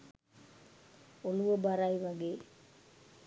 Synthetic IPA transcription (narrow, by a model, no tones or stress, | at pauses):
oluʋəbaɾajʋaɡeː